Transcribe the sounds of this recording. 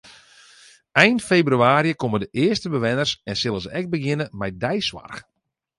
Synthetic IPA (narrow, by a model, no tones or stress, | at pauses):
ɛjnfejbryaːɾiəkomədəʔɪəstəbəʋɛnərsɛnsɪlˠəzəʔɛk̚t̚bəɡɪnəmɛjdɛjsʋa̰rx